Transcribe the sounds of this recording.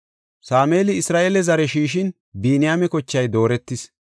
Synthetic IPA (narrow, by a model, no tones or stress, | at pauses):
saːme̞ːlɪɪsɾaːʔelɛzɐɾɛʃiːʃ̬ɪn | biːnɪjaːmɛkɔt͡ʃːɐjd̪o̞ːɾɛt̪ːɪs